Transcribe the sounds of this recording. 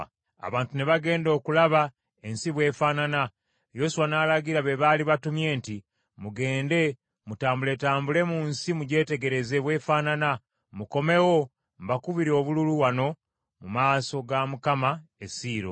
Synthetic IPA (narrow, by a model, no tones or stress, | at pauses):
a̰βaːntune̞βaɡe̞ːndo̞ːkulaβa | e̞nsiβwe̞ːfaːnana | jo̞suwanaːlaɡiɾaβe̞βaliβatumje̞ːnti | muɡe̞ːnde̞ | mutaːmbuletaːmbule̞munsimuɟe̞ːte̞ɡe̞ɾe̞ze̞βwe̞ːfaːnana | muko̞me̞wo̞ | mbakuβiɾo̞ːβululuwano̞ | mumaːso̞ɡamukamaesiːɾo̰